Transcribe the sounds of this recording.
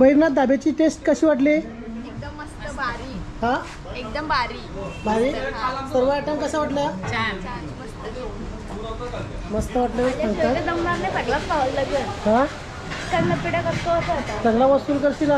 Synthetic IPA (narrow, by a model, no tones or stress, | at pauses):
bəɦiɾnat̪̚d̪abat͡ɕiːʈesʈkəɕiːʋaʈli | ek̚d̪əmːəst̪əaɾiɦã | ek̚d̪əmbaɾibaɾiːsəɾʋəaʈənkəsaʋaʈləa | məst̪ə | məst̪əʋaʈləsəŋkəɾd̪əmnaɾnepəɽlaspaʋəllət̪uaɦã | kaɽnəpːiɽakəɾt̪oət̪at̪asəɡlaʋəsuːlkəɾɕila